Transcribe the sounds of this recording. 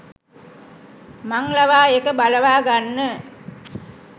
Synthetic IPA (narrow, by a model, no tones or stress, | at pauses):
maŋlaʋaːekəbaləʋaːɡanːə